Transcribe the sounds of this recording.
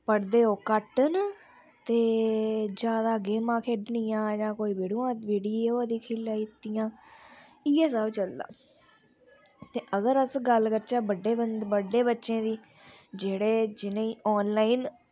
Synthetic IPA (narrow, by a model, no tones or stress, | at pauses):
pəɽd̪eːoːkəʈən | t̪eːd͡ʒjaːd̪aːɡeːmãːkʰeːɖnɪːjãːd͡ʒãːkoːiːbeːɽũːãːt̪ʋiːɖieoːd̪iːkʰɪːlaːit̪ːijãː | ɪjeːsəbt͡ʃəld̪a̰ː | t̪eːʔəɡəɾəsɡəlkəɾt͡ʃaːbəɖːeːbənd̪bəɖeːbətːʃẽːd̪iː | d͡ʒeːɽeːd͡ʒɪnẽːiːʔɔːnlaːiːn